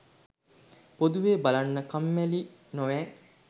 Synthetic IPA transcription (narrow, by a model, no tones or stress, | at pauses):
pod̪uʋeːbalanːəkamːæli | noʋɛː